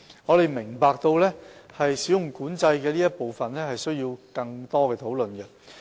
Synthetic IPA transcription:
ŋɔː˨˧ɾe˨˩jmɪ˨˩ŋpaː˨k̚t̪o˧wlɛː˥hɐ˨jsiː˨˥wjʊ˨˩ŋkuː˨˥nt͡sɐ˧jkɛː˧liː˥jɐ˥t̚po˨wfɐ˨nlɛː˥hɐ˨jsɵ˥ɥjiː˧wkɐ˧ŋt̪ɔː˥kɛː˧t̪ʰo˨˥wlɵ˨nɡɛ˧

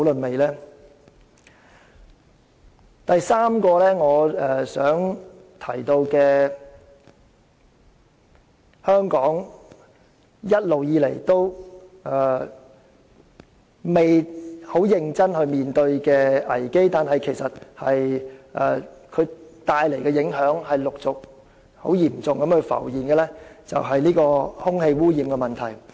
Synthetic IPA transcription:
wlɵ˨nme˨jlɛː˥ | t̪ɐ˨jsaː˥mkɔː˧lɛː˥ŋɔː˨˧ɛ˨sœː˨˥ŋ | t̪ʰɐ˨˩jt̪o˧wkɛː˧ | hœː˥ŋkɔː˨˥ŋ | jɐ˥t̚lo˨wjiː˨˧le˨˩jt̪o˥wɛ˨˩ | me˨jho˨˥wjɪ˨˧ŋt͡sɐ˥nhɵ˧ɥmiː˨nt̪ɵ˧ɥkɛː˧ɐ˨˩jke˥jt̪aː˨nɦɐ˨jkʰe˨˩jsɐ˨t̚hɐ˨jʔɛ̰ː˨kʰɵ˨˧ɥt̪aː˧jle˨˩jkɛː˧jɪ˨˥ŋɦœː˨˥ŋhɐ˨jlʊ˨k̚t͡sʊ˨k̚ | ho̰˨˥wjiː˨˩mt͡sʊ˨ŋkɐ˨˥mhɵ˨˧fɐ̰˨˩wjiː˨˩nkɛ˧lɛː˥t͡sɐ̰˨wɦɐ˨jniː˥kɔː˧hʊ˥ŋhe˧jwuː˥jiː˨˩mkɛ˧mɐ˨nt̪ʰɐ˨˩j

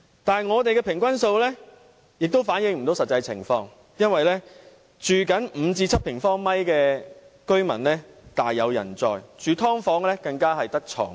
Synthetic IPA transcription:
t̪aː˨n˨jŋɔː˨˧t̪e˨jkɛː˧pʰɪ˨˩ŋkʷɐ˥nso˧wlɛː˥ | jɪ˨k̚t̪o˥wfaː˨˥njɪ˧ŋm̩˨˩t̪o˨˥wsɐ˨t̚t͡sɐ˧jt͡sʰɪ̰˨˩ŋfɔː˧ŋ | jɐ˥nwɐ˨jlɛː˥ | t͡ʃyː˨˩kɐ˨˥nm̩˨˧t͡siː˧t͡sʰɐ˥t̚pʰɪ˨˩ŋfɔː˥ŋmɐ˥jkɛː˧kɵ˥ɥmɐ̰˨˩nlɛː˥ | t̪aː˨jːɐ˨˧wjɐ̰˨˩nt͡sɔ̰ː˨˧jt͡ʃyː˨t̪ʰɔː˥ŋfɔː˨˥ŋlɛː˥kɐ˧ŋkaː˥ɦɐ˨jt̪ɐ˥k̚t͡ʃʰɔ̰ː˨˩ŋ

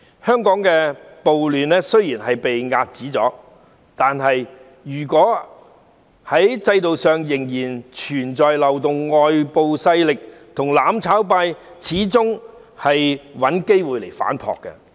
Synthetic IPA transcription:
hœː˥ŋkɔː˨˥ŋkɛː˧po˨wlyː˨nɛ˥sɵ˥ɥjiː˨˩nhɐ˨jpe˨jŋaː˧t̚t͡siː˨˥t͡sɔ̰ː˨˥ | t̪aː˨nɦɐ˨j | jyː˨˩kwɔː˨˥ | hɐ˨˥jt͡sɐ˧jt̪o˨wsœː˨ŋjɪ˨˩ŋjiː˨˩nt͡ʃʰyː˨˩nt͡ʃɔː˨jlɐ˨wt̪ʊ˨ŋːɔː˨jpo˨˧wsɐ˧jlɪ˨k̚t̪ʰʊ˨˩ŋlaː˨˥mt͡sʰaː˨˥wpaː˧jt͡sʰiː˨˥t͡sʊ˥ŋ | hɐ˨jwɐ˨˥nke˥jwuː˨jle˨˩jfa̰ː˨˥npʰɔ̰ː˨kːɛ̰˧

